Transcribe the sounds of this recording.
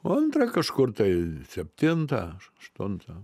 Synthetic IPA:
ɐnt̪rɐkɐʃkʊrt̪ɐɪsʲɛpʲt̪ʲɪnt̪ɐʃɐʃt̪ʊnt̪ɐ

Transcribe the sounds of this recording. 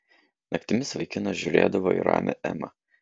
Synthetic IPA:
nɐkt̪ʲɪmʲɪsʋɐɪkʲɪnɐʒʲʊɾʲḛːd̪ɐʋoːḭɾɑ̰ːmʲɛ̰ʔɛ̰mɐ

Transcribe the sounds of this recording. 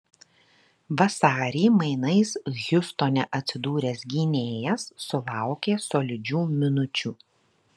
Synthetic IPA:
ʋɐsɑːɾʲeːmɐɪnɐɪsɣʲʊst̪oːnʲɛʔɐt̪ʲsʲɪd̪uːɾʲeːsɡʲiːnʲeːjɛsːʊlˠɑˑʊkʲeːsoːlʲɪd͡ʒʲuːmʲɪnʊt͡ʃʲuː

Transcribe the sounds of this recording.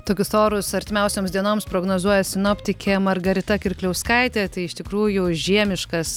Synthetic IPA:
t̪oːkʲʊsoːɾʊsɐɾʲt̪ʲɪmʲɛʊsʲoːmzd̪ʲiɛnoːmspɾoːɡnoːzuɔjɛsʲɪnoːpʲt̪ʲɪkʲʰeːmɐrɡɐɾʲɪt̪ɐkʲɪɾʲklʲɛʊskɐɪt̪ʲeːt̪ɐɪɪʃt̪ʲɪkɾuːjʊʒʲiɛmʲɪʃkɐs

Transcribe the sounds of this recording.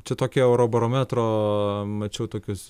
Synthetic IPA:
t͡ʃʲɛt̪oːkʲiɛʊɾoːbɐɾoːmʲæːt̪ɾoːmɐt͡ʃʲɛʊt̪oːkʲʊs

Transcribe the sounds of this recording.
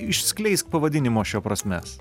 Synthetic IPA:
ɪʃʲsʲkʲlʲɛɪsʲt̪̚pɐʋɐd̪ʲɪnʲɪmoːʃʲoːpɾɐsʲmʲɛ̰s

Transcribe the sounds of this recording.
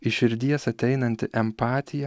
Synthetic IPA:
ɪʃʲɪɾʲd̪ʲiɛsɐt̪ʲɛɪnɐnʲt̪ʲɪʔɛmpɑːt̪ʲɪjɛ

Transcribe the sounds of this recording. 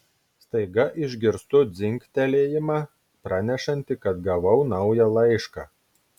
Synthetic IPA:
st̪ɐɪɡɐʔɪʒʲɡʲɪɾst̪ʊd̪zʲɪŋʲkt̪ʲɛlʲeːjɪmɑ | pɾɑnʲɛʃɐnʲt̪ʲɪkɐt̪ɡɐʋɐʊnɐʊjɛlˠɐɪʃkɑ

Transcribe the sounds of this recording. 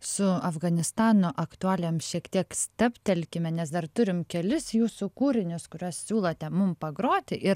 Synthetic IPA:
sʊɐfɡɐnʲɪst̪ɑːnoːʔɐkt̪ʊɑːlʲɛmʃʲiɛkt̪ʲiɛksʲt̪ʲɐpʲt̪ʲɛlʲkʲɪmʲɛnʲɛsd̪ɐrt̪ʊɾʲɪmkʲɛlʲɪsjuːsuːkuːɾʲɪnʲʊskʊɾʲuɔssʲuːlˠɐt̪ʲɛmʊmpɐɡɾoːt̪ʲɪʔɪɾ

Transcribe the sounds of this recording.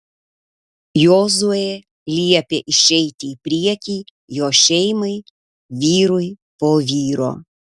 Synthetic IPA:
joːzuɔje | lʲiɛpʲeːʔɪʃʲɛɪt̪ʲiiːpʲɾʲiɛkʲiː | joːʃʲɛɪmɐɪ | ʋʲiːɾʊɪ | poːʋʲiːɾo̰ː

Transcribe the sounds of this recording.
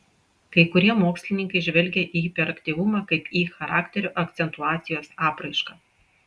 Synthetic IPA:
kɐɪkʊɾʲiɛmoːksʲlʲɪnʲɪŋkɐɪʒʲʋʲɛlʲɡʲɛʔipʲɛɾɐkt̪ʲiːʋʊmɑːkɐɪpiːxɐɾɑːkʲt̪ʲɛɾʲʊʔɐkt̪sʲɛnt̪ʊɑːt̪sʲɪjoːsɑːpɾɐɪʃkɑː

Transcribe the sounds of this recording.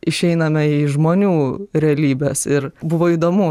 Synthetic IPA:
ɪʃʲɛɪnɐmʲɛiʒmoːnʲuːɾʲɛɐlʲiːbʲesɪɾbʊʋoːiːd̪oːmʊ

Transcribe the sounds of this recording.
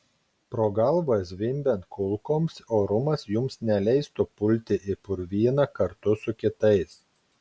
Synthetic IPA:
pɾoːɡɐlˠʋɐs̬ʋʲɪmʲbʲɛnt̪̚kʊlˠkoːmsoːɾʊmɐsjʊmsnʲɛlʲɛɪst̪ʊpʊlʲt̪ʲɪʔɪpʊɾʋʲiɛnɐkɐɾt̪ʊsʊkʲɪt̪ɐɪs

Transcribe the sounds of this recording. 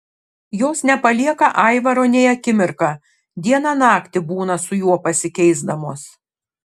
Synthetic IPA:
joːsnʲɛpɐlʲiɛkɐʔɐɪʋɐɾoːnʲɛɪɐkʲɪmʲɪɾkɑː | d̪ʲiɛnɑnɑːkt̪ʲɪbuːnɐsʊjuɔpɐsʲɪkʲɛɪzd̪ɐmoːs

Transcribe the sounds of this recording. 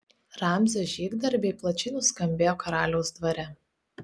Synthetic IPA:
ɾɑmʲzʲɛʒʲiːɡd̪ɐɾʲbʲɛɪplˠɐt͡ʃʲɛɪnʊskɐmʲbʲeːjoːkɐɾɑːlʲɛʊsd̪ʋɐɾʲɛ

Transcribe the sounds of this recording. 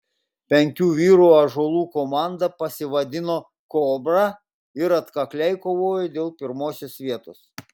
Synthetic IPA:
pʲɛŋʲkʲuːʋʲiːɾuːɐʒolˠuːkomɑˑnd̪ɐpɐsʲɪʋɐd̪ʲɪnoː | koːbɾɑ | ɪɾɐt̪kɐklʲɛɪkoːʋoːjɛd̪ʲeːlˠpʲɪɾmoːsʲʊsʋʲiɛt̪oːs

